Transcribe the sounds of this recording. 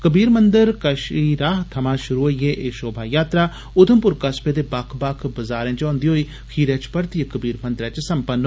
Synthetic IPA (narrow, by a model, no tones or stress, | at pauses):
kəbiːɾmənd̪əɾkəʃiːɾaːɦt̪ʰəmãːʃʊɾuːɦoːijeːʔeːʃoːbʱaːjaːt̪ɾaː | ʊd̪əmpʊɾkəspeːd̪eːbakʰbakʰbəzaːɾɛ̃ːt͡ʃɔ̃ːnd̪iːɦoːiː | kʰiːɾɛ̃ːt͡ʃpəɾt̪iːekəbiːɾmənd̪ɾɛ̃ːt͡ʃsəmpənː